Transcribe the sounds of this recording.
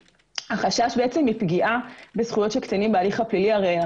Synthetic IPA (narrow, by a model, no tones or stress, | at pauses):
haχaʃaʃbeet͡se̞mipɡiʔabe̞sχujo̞tʃekt̪animbealiχapliliaʁeja